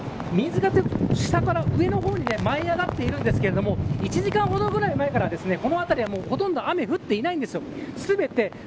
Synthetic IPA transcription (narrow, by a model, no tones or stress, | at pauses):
mʲĩːzɨkateɕi̥sakaɾaʔɯ̟e̞no̞ɦo̞ːɲ̟ine̞maiaɡat̪ːe̞iɾɯ̟̃nd̪esɨ̥ke̞ɾe̞d̪o̞mo̞it͡ɕiʑikãɰ̃ɦo̞d̪o̞ɡɯ̟ɾaimae̞kaɾad̪e̞sɨne̞ko̞no̞at̪aɾʲiβamo̞ːho̞t̪õ̞nd̪oame̞ɸɯ̟t̪ːe̞inaĩnd̪esɨjo̞sɨbe̞t̪e̞